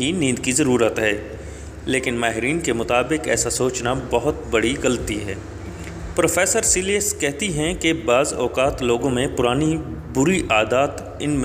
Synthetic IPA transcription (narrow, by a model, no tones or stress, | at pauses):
inĩːd̪kizɐɾuːɾət̪ɦɛː | leːkɪnmaːɦɪɾiːnkemʊt̪aːbɪkɛ̰ːsasoːt͡ʃnabɐɦʊt̪bɐɽiɣɐlt̪iɦɛː | pɾoːfʰɛːsəɾsiliəskɛɦt̪iɦɛ̃kebaːzɔːqaːt̪loːɡõmẽpʊɾaːni | bʊɾiʔaːd̪aːt̪ | ɪnm